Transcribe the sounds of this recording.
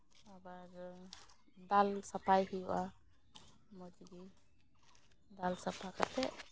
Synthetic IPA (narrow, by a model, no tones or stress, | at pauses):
abaɾ | d̪alsapajhijuʔa | mɔd͡ʒiɡi | d̪alsapʰaka̰t̪ɛʔ